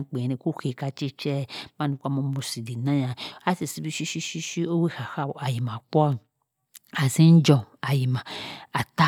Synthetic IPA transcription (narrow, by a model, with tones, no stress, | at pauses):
k͡pe˨ne˧ku˦xe˨ka˧t͡ʃi˦t͡ʃɛ˦ma˦nũ˨˧kʷa˦mo˧˦mu˧˨si˨di˨nã˦ja˨a˦si˨si˦bi˧˦ʃi˦ʃi˦ʃi˦ʃi˦o˦wi˦ha˨xa˦˨a˨ji˨mã˨k͡pɔ˦a˦˨ | a˨si˦n̩˦d͡ʒɔ˧a˨ji˨ma˨a˨ta˦